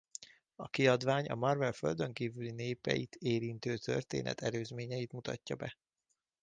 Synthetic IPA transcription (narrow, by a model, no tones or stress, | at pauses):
ɒkiɒd̪ʋaːɲɒmɒrvɛlfø̞̰ld̪ø̞ŋkiːvylineːpɛ̰jit̪ʰeːɾint̪øːt̪ʰø̞̰rt̪ḛːnʔɛ̰t̪ʰɛløːzmeːɲɛjit̪mut̪ɒ̰cːɒbɛ